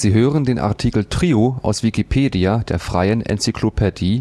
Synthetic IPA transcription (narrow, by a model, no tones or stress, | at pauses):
z̥iːɦøːʁəndeːnʔa̰ɐtʰikl̩tʁ̥iːoa̰ʊsv̥ikipʰeːdiad̥eːɐfʁ̥a̰ɪənɛ̰nt͡sykʰlopʰɛdiː